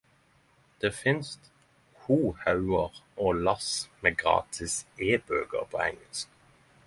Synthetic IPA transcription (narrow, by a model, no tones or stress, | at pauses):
d̪̥eːfɪnst̪ | huːhɑʉəʁʔoːlɑsmeːɡʁɑ̰ːt̪ʰɪseːbøːɡə̰ʁpʰoːɛŋəlsk